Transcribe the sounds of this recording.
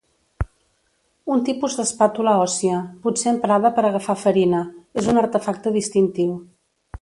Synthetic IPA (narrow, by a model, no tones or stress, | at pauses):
unt̪ipuzd̪əspat̪uləɔsiəput̪seəmpɾaðəpəɾəɣəfafəɾinəezunəɾt̪əfak̚t̪əðist̪int̪iw